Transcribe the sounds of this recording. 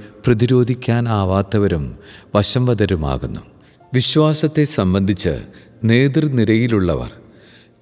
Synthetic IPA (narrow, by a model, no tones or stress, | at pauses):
prɐðiɾo̞ːd̪ʱikʲːaːnaːʋaːt̪ːɐʋɐɾumʋɐɕɐmʋɐd̪ɐɾuma̰ːɣunːu | ʋiɕʋaːsɐt̪ːe̞sɐmbɐnd̪ʱit͡ɕːɨ̰ | ne̞ːd̪rniɾɐjiluɭːɐ̰ʋɐ̰r